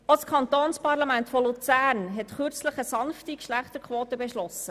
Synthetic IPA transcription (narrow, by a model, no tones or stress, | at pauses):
oskʰɑnt̪oːnspɑɾlɑmæntfolut͡sæːɾnɦɛtχʏɾt͡sləχəsɑnftikʃlæχt̪əɾkʰʋoːt̪əbɛʃlɔsə